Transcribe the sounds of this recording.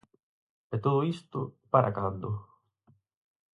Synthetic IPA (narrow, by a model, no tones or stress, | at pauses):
et̪oðʊist̪ʊpaɾʔa̰kand̪ʊ